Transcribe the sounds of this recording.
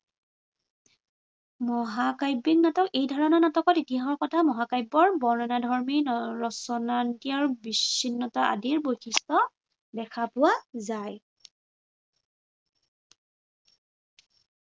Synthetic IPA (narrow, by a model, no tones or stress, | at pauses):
mɔɦakajbːiknatɔkejdʱɔɹɔnɔnatɔkɔtitiaɦɔɹkɔtʰamɔɦakajbːɔɹbɔɹnɔnadʱɔɹmiɹɔsɔnantijaɹbisːinːɔtaʔa̰diɹbojxʰistɔ | dɛkʰapʊwazaj